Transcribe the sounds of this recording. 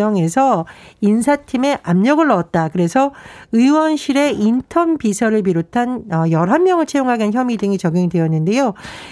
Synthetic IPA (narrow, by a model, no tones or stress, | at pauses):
ʌŋe̞sʰʌinsʰatʰime̞ʔamɲʌɡɯɭːʌʌt̚t͈akɯɾe̞sʰʌɯiwʌnɕʰiɾe̞intʰʌmbisʰʌɾɯɭp̬iɾotʰanʌjʌɾɦamːjʌŋɯɭt͡ɕʰejoŋɦaɡençjʌmidɯŋit͡ɕʌɡjoŋidejʌnːɯnde̞jo